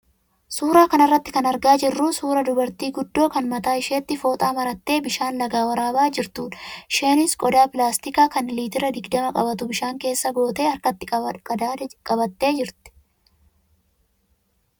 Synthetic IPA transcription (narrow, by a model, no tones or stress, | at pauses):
suːɾaːkɐnɐrːɐt̪ːɪkɐnɐɾɡaːd͡ʒɪrːusuːɾɐd̪ʊbɐɾt̪iːɡʊd̪ːo̞ːkɐnmɐt̪aːɪʃe̞ːt̪ːɪfo̞ːt̪ʼaːmɐɾɐt̪ːe̞ːbɪʃaːnlɐɡaːwɐɾaːbaːd͡ʒɪɾt̪uːᶑ̪ɐ̥ʃe̞ːnɪskʼɔd̪aːpɪlaːst̪ɪkaːkɐnliːt̪ɪɾɐd̪ɪɡd̪ɐmɐkʼɐbɐt̪ʊbɪʃaːŋke̞ːsːɐɡo̞ːt̪e̞ːɐɾkɐt̪ːɪ | kʼɐbɐt̪ːe̞ːd͡ʒɪɾt̪ɪ̥